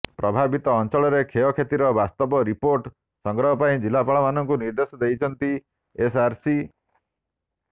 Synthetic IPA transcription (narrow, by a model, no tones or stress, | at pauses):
pɾɔbʱabit̪ɔːnt͡ʃɔɭɔɾekʰeɔkʰet̪iɾɔbast̪ɔbɔɾipoɾʈ | sɔŋɡɾɔɦɔpaĩd͡ʒilapaɭɔmanɔŋkuniɾd̪esɔd̪ejt͡ʃʰɔnt̪i | esaɾsi